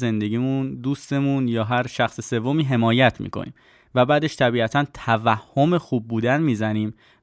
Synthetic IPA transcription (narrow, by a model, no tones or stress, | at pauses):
ze̞nd̪e̞ɟiːmund̪uːst̪e̞munjɒːɦæɾʃæxsese̞vːo̞miːɦe̞mɒːjæt̪ʰmḭːkʰo̰nʔḭːm | væbæːd̪e̞ʃt̪ʰæbiːæt̪ʰænt̪ʰævæhːo̞me̞xuːb̚ːuːd̪ænmiːzæniːm